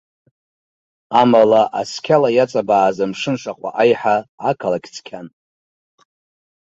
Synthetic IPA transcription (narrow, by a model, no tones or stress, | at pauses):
amalaʔa̰skʲʰalajat͡sʼabaːzamʂɨnʂaqʷʼa̰ʔajħaakʰalakʲt͡sʰkʲʰan